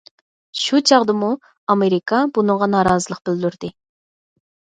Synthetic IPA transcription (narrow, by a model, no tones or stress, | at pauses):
ʃut͡ʃʰɑʁd̪ɨmu | ɑmeɾikʰɑbunɨŋʁɑnɑːɾɑːzɨlˠəq̚bɪld̪yɾd̪ɪ